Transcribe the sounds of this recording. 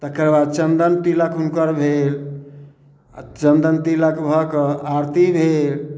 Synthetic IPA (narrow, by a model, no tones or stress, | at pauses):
t̪əkəɾbad̪̚t͡ʃənd̪ənt̪iləkunkəɾbʱel | t͡ʃənd̪ənt̪iləkbʱəkəaɾt̪ibʱel